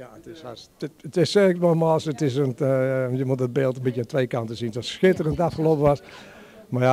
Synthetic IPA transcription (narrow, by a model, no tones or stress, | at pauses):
jaətɪsasətɪssɛktʋolˠmɔsətɪs̬ənjəmutət̚beːlˠtənbitjəəntʋejkantəsintɔsxɪtərəntafxəlopəʋas | maa